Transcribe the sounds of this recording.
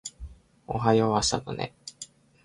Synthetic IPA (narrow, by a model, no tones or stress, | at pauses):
o̰ɦajoβasano̰nḛ